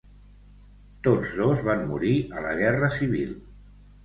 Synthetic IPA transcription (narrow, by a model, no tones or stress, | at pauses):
t̪od͡zðozβammuɾiələ̰ɣ̞ɛrəsiβ̞ḭlˠ